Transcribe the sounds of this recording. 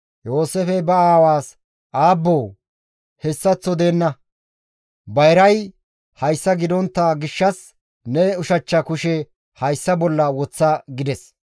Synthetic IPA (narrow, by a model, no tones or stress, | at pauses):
jo̞ːsefɛbɐaːwaːs | ʔaːbːoː | hɛsːɐt͡sːɔd̪e̞ːnːɐ | bɐjɾɐj | hɐjsːɐɡɪd̪ɔnt̪ːɐɡɪʃːɐs | nɛʊʃɐt͡ʃːɐkʊʃɛ | hɐjsːɐbɔlːɐwɔt͡sːɐɡɪd̪ɛs